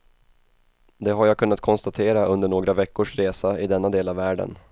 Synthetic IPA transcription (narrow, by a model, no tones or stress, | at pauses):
d̪ɛɦaɾjaːkʰɵnːat̪̚kʰɔnst̪at̪ʰeːɾaɵnd̪əɳoːɡɾavɛkːʊʂɾeːsaɪd̪ɛnːad̪eːlavːæːɖə̰n